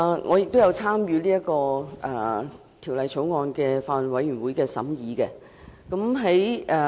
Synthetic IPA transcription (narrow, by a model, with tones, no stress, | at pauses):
ŋʔɔ̰ː˨˧jɪ˨k̚t̪o˥wjɐ˨˧wt͡sʰaː˥mjyː˨˧liː˥jɐ˥kɔː˧ʔː | t̪ʰi˨˩wlɐ˨jt͡sʰo˨˥wŋɔː˨˧nkɛː˧faː˧˨nwɐ˨˧jɥyː˨˩nwu˨˥jkɛː˧sɐ̰˨˥mjiː˨˧kɛ˧ | kɐ˨˥mɦe˨˥jɛː˨˧